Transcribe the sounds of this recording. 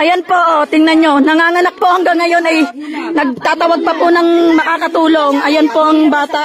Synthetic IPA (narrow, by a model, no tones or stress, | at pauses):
ʔɐjonpoʔot̪ɪŋnɐnɲo̞nɐŋaːŋɐnɐk̚pohɐŋɡɐŋːɐjo̞nɐj | nɐɡ̚t̪aːt̪ɐwɐɡ̚pɐpʊnɐŋmɐkakɐt̪uːloŋʔɐjonpoʔɐŋbaːt̪aʔ